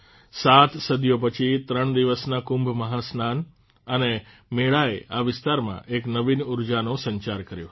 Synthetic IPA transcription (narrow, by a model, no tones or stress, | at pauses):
sat̪ʰsəd̪jopət͡ʃʰit̪ɾəɳd̪iʋəsnakʊmbʱməɦasnan | əne | meɭaeʔaʋɪst̪aɾmã̰ʔeknəʋinuɾd͡ʒanõsəɲt͡ʃaɾkəɾjo̰